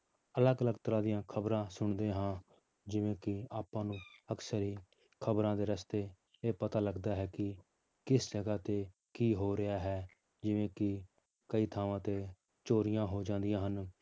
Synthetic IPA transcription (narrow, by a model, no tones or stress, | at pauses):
ələɡələɡt̪əɾãːd̪ijãːkʰəbɾãːsʊɳd̪ẽːɦãː | d͡ʒɪʋẽːkɪaːpãːnũːəksəɾɦiː | kʰəbɾãːd̪eːɾəst̪eː | eːpət̪aːləɡd̪aːɦɛːkɪ | kɪsd͡ʒəɡaːt̪eː | kiːɦoːɾɪaːɦɛː | d͡ʒɪʋẽːkɪ | kəiːt̪ʰaːʋãːt̪eː | t͡ʃoːɾɪjãːɦoːd͡ʒãːnd̪ɪjãːɦən